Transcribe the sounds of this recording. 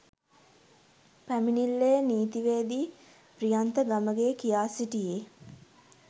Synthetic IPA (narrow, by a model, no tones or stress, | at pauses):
pæminilːejəniːt̪iʋeːd̪i | prijant̪əɡaməɡekijaːsiʈijeː